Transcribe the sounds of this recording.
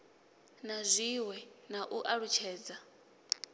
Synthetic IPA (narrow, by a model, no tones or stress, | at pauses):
nazʷiwɛnaʔuʔaɺut͡ʃʰɛːd͡za